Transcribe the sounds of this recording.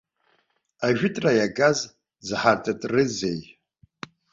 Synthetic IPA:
aʒᶣɪtʼrajaɡaz | zɨħartʰʼatʼrɨzej

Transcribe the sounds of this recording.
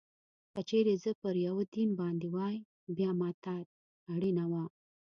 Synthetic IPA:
kət͡ʃeɾezəpəɾjawəd̪inbɑnd̪ewɑj | bjɑmɑt̪ɑt̪̚ | aɽinawa

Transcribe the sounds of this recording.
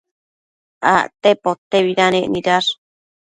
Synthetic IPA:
a̰ʔt̪epot̪eβiɾanẽʔniɾaɾ

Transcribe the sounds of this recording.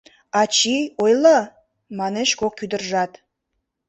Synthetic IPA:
ɑt͡ɕiojlə | mɑneʃkokːyd̪ərʒɑt̪

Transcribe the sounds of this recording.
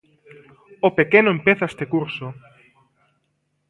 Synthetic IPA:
opekenoempeθaest̪ekuɾso

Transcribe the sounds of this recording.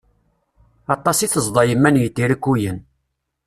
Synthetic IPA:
ɑt̪ˤːɑsiθəzˤd̪ˤɑjəmːænjət̪ːiɾikːujən

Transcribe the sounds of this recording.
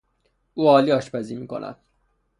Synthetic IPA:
ʔuːɒːliːɒːʃpæziːmiːkʰo̰nʔæ̰d̪̥̚

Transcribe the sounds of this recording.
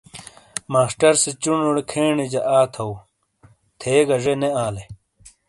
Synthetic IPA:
maːsʈɐɾset͡ɕunoɽekʰeːɳid͡ʑɐʔaːt̪ʰɐw | t̪ʰeːɡɐʐeneaːle

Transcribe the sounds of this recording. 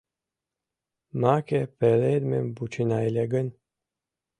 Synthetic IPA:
maːkepeɾeːd̪membut͡ʃʰinaːileɡɨn

